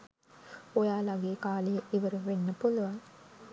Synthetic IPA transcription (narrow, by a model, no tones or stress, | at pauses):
ojaːlaɡeːkaːlijəʔiʋəɾuʋenːəpuluʋaŋ